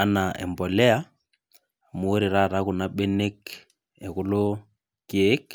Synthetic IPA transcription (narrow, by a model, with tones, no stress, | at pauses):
a˨na˨ʔɛ̰˨mbɔ˨lɛ˦a˦ | mu˨o˦ɾi˨ɾa˦˨ɾa˦ɣʊ˨na˨ɓe˦ne˦k | ɛ˨ɣʊ˦lo˦ | ke˦k